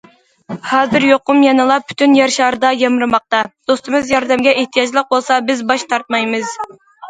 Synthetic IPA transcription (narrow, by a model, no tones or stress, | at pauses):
hɑːzɨɾjoqʊmjɑnɨlˠɑpʰy̥t̪ʰynjɛɾʃɑɾɨd̪ɑjɑmɨɾɨmɑq̚t̪ɑd̪̥ost̪ɨmɨzjɑɾd̪ɛmɡʲɛʔeht̪ʰijɑd͡ʒlˠəq̚bolˠsɑbɪzbɑʃt̪ʰɑɾt̪̚mɑjmɨz